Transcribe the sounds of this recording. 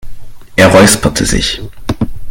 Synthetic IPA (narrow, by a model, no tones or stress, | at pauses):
ʔeːɐʁɔʏspʰɐtʰəzɪ̰ç